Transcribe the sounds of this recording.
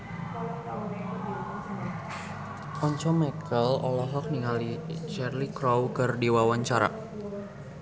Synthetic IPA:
ɔɲt͡ʃɔmɛkʰəlɔlaɦɔk̚niŋalit͡ʃɛrlikɾɔwkɨrdiwawaɲt͡ʃaɾa̰

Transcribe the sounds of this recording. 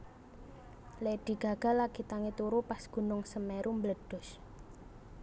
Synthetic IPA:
lɛɖ̥i̤ɡ̥a̤ɡ̥a̤laɡit̪aŋet̪uɾupasɡ̥ṳnʊŋsəmɛɾʔumbləɖ̥ʊ̤s

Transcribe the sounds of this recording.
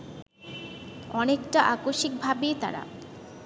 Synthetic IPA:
ɔnekʈaʔakoʃik̚bʱabet̪a̰ɾa̰

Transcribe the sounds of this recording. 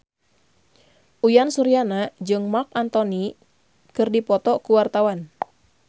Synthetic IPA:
ʔujansuɾianad͡ʒɨŋmak̚ant̪ɔni | kɨrdipɔt̪ɔkuwart̪awan

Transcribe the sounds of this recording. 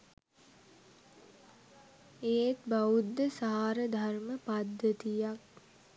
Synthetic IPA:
eːt̪baud̪ːəsaaɾəd̪ʱaɾməpad̪ət̪ijak̚

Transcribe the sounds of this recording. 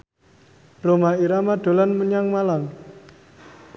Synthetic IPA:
romaiɾamaɖ̥o̤lanməɲaŋmalam

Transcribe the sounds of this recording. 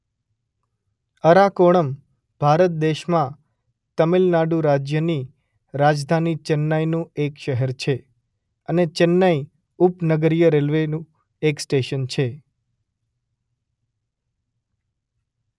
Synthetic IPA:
əɾakoɽ̃əm | b̥ʱaɾət̪̚d̪eʃmã | t̪əmilnaɖuɾad͡ʒjəni | ɾad͡ʒd̪ʱanit͡ʃənːajnũekʃəɦɛɾt͡ʃʰe | ənet͡ʃənːai | upnəɡəɾijəɾelʋenũ | eksʈeʃənt͡ʃʰe

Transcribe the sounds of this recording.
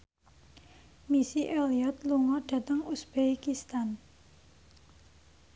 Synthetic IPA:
misiʔeliɔt̪̚luŋɔɖ̥a̤t̪əŋusb̥ekist̪an

